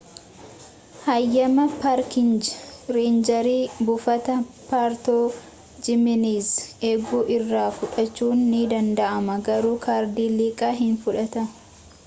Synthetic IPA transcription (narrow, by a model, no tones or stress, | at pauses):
hɐjːɐmɐpaːɾkɪnd͡ʒɾeːnd͡ʒɐɾiːbʊfɐt̪ɐ | paːɾt̪oː | d͡ʒɪmɪniːzeːɡuːʔɪrːaːfʊᶑɐt͡ʃːuːnːid̪ɐnd̪ɐʔɐmɐɡɐɾuːkʰaːɾd̪iːliːkʼaːɦɪnfʊᶑɐt̪ɐ